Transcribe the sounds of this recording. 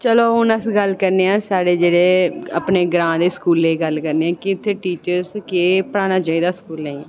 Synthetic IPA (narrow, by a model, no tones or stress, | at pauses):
t͡ʃəloːɦʊnəsɡəlkəɾneːãːsaːɽeːd͡ʒeːɽeːə̰pneːɡɾãːd̪eːskuːlːeːɡəlkəɾneːãːkɪt̪ʰːeːʈiːt͡ʃəɾskeːpəɽaːnaːt͡ʃaːiːd̪aːskuːlnə̃ĩː